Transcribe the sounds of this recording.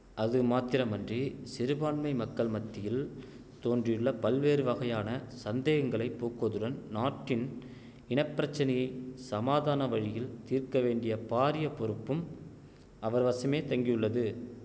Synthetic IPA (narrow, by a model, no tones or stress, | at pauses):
ʔɐðɯmaːt̪ɪɾɐmɐndrisɪɾɯbaːɳmɐɪmɐkːɐɭmɐt̪ːɪjɪl | t̪oːndrɪjɯɭːɐpɐlʋeːɾɯʋɐɣɐjaːnɐsɐnd̪eːɣɐŋɡɐɭɐɪpːoːkɯɐðɯɽɐnnaːʈːɪn | ɪɳɐɪpːɪɾɐt͡ʃːɐnɐjɐɪsɐmaːðaːnɐʋɐɻɪjɪlt̪iːɾkɐʋeːɳɖɪjɐpaːɾɪjɐpɔɾɯpːɯm | ɐʋɐɾʋɐsɐmeːt̪ɐŋɡɪjɯɭːɐðɯ